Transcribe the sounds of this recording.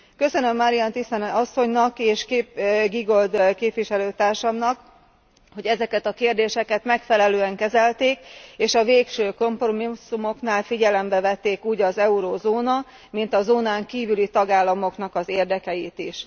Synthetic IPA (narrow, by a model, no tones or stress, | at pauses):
kø̞sø̞nø̞mːɒɾijɒnt̪ist̪ɛnɒsːo̞ɲnɒkeːʃkːɡiɡo̞ld̪keːpʋiʃɛløːt̪aːrʃɒmnɒk | ho̞ɟɛzɛkɛt̪ɒkeːrd̪eːʃɛkɛt̪mɛkfɛlɛløːɛŋkɛzɛlt̪eːkeːʃɒveːkʃøːko̞mpro̞misːumo̞knaːlfiɟɛlɛmbɛvɛt̪ːeːkuːɟɒzɛuɾoːzoːnɒ | min̪t̪ɒzoːnaːŋkiːvylit̪ɒɡaːlːɒmo̞knɒkɒzeːrd̪ɛkɛjit̪iʃ